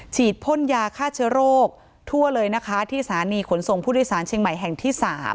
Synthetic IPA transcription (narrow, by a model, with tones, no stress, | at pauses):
t͡ɕʰiː˨˩t̪̚pʰo˥˨njaː˧kʰaː˥˩t͡ɕʰɯ˦˥ɾoː˥˩k̚ | t̪ʰu˥˩ɐlɤː˧jna˦˥kʰa˦˥t̪ʰiː˥˩saː˩˦niː˧kʰo˩˦nso˨˩ŋpʰuː˥˩du˥˩jsaː˩˦nt͡ɕʰeː˧ŋma˨˩jɦɛ˨˩ŋt̪ʰiː˥˩saː˩˦m